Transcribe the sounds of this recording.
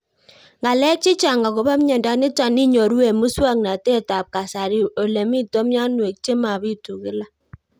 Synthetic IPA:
ŋɡa˨lɛ˦t͡ʃɪ˦t͡ʃa˨ŋɡa˨ko˨ba˦mɲɛ˨nda˦nɪ˦ta˨nɪ˦ɲɔ˨ɾu˦e˨mu˦swa˦ŋna˨te˦˨ta˨p̚ka˨sa˨ɾi˨o˨le˨mi˦to˦mja˦nwe˨k̚t͡ʃe˦ma˨bi˦tu˨kɪ˦la˦

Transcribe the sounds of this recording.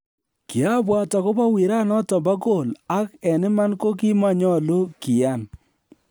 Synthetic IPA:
kɪ˨a˦bwa˨tɔ˨kʊ˦pa˦wi˨ɾa˦nɔ˦tɔ˨mba˦ko˦˨la˦kɛ˨nɪ˦ma˦nko˦ki˦ma˦˨ɲɔ˦lo˦ki˨a˦˨n

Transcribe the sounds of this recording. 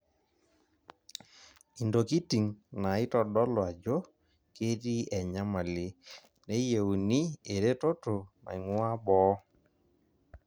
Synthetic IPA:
i˨ndo˨ki˦ti˨ŋna˨ɪ˦tɔ˨ɗɔ˦lwa˨d͡ʒo˦ | ke˦ɾi˦ʔɛ˨ɲa˦ma˨le˦ | ne˦je˨u˨ni˦e˨ɾe˦to˦to˨na̰˨ŋwa˦bɔ˨˦

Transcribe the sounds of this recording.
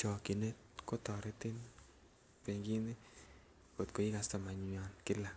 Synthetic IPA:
t͡ʃɔ˨ki˨ne˦t̚ | ko˦tɔ˨ɾetɪ˦n | pe˨ŋɡi˦ni˦ | ko˨tko˨i˦kasta˨ma˨ɲiɔ˨nkɪ˦la˨

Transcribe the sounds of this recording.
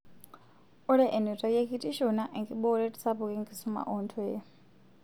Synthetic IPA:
u˦ɺɛ˦ʔɛ˨ni˨tʼa˨je˦kʰi˦tʼi˦ʃɔna˦ʔi˨ŋkʼi˨ɓɔ˦u˦ɺɛ˦tʼi̥˨sa˦pu˨kʼi˦ŋɡi˨su˦ma̰˨ʔɔntʰɔ˦jɛ˦

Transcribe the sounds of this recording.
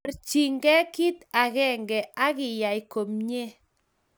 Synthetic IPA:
ɾt͡ʃi˨ŋɡɛ˦ki˦t̪a˨ɣɛ˦˨ŋɡɛ˨ʔa˦ɣɪ˨ja˨jko˨mɲe˦

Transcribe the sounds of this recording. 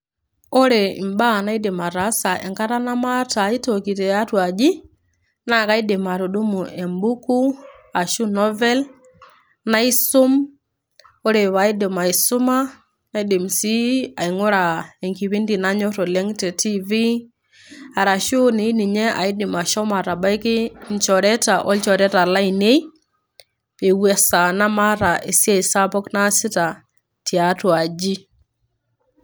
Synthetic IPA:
o˦ɾe˨i˨mba˦na˦i˦de˨ma˨ɾa˨˦sa˨ʔɛ̰˨ŋka˦ɾa˦na˦ma˦ta˨i˦to˨ki˨tɛ˨a˦twa˨d͡ʒi˦ | na˦ka˦i˦dɪ˨ma˨ɾo˨ɗu˦mu˨ɛ˨mbu˦ku˦ | a˨ʃu˦nɔ˦vɛ˦l | na˦i˦sʊ˦m | o˦ɾe˨βa˨i˦de˨ma˨i˨sʊ˦ma˦ | na˦i˦de˨msi˦a˨i˨ŋo˦ɾa˨e˨ŋki˨βi˦ndi˨na˦ɲɔ˦tɔ˨lɛ˦ŋtɛ˨ti˦vi˦ | a˨ɾa˨ʃo˦ne˨i˦ni˨ɲɛ˦ʔa̰˨ɪ˦dɪ˨ma˨ʃɔ˦ma˨ɾa˨ba˦jkɪ˦nt͡ʃɔ˨ɾɛ˦ta˨ʔɔ˦lt͡ʃɔ˨ɾɛ˦ta˨la˦ine˦j | pe˨wɛ˦sa˨na˦ma˦ɾa˨ʔe˨si˦a˦i˨sa˦pɔ˦kna˦sɪ˦ta˨ | tʰi˨a˨twa˨d͡ʒi˦

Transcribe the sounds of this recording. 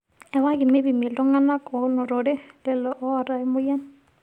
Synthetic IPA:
ɛ˨wa˦ɡɪ˨me˦bi˨me˨ltɔ˦ŋa˦na˦kɔ˨nɔ˨ɾo˨de˦lɛ˦lɔ˨ʔɔ˦a˨ɾa˦jmʊ˦jɛ˦n

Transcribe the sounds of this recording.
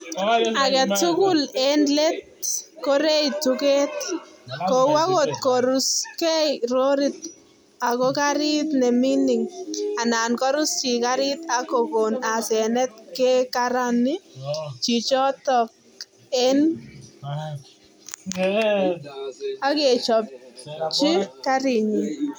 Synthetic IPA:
a˨kɛ˨tʊ˦kʊ˦lɛ˦nle˦t̚kɔ˦ɾe˦jtʊke˦t̪̚ | ko˨wa˦ko˨t̪̚kɔɾʊ˨skɛ˦ɾo˦ɾɪ˨t̪̚ | a˨kɔ˦ka˦ɾɪ˦t̪nɛ˨mi˦nɪ˨ŋa˨na˨nkɔ˦ɾʊ˦st͡ʃɪ˨ka˦ɾɪ˦t̪a˨ko˨ko˨na˨sɛ˨nɛ˦t̚kɛ˦kaɾa˦nɪ˦t͡ʃi˨t͡ʃɔ˦tɔ˨k̚ | ɛ˦n | a˦ke˨t͡ʃɔ˨p̚t͡ʃɪ˦ka˦ɾɪ˨ɲɪ˨

